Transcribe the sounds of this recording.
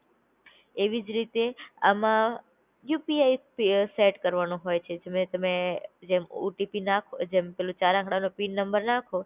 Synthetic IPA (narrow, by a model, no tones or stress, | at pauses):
eʋid͡ʒɾit̪ea̰mã | jupiaipseʈkəɾʋanõɦojt͡ʃʰed͡ʒemet̪əmed͡ʒemṵʈipinakʰod͡ʒempelũt͡ʃaɾãkʰɽanõpinːəmbəɾnakʰo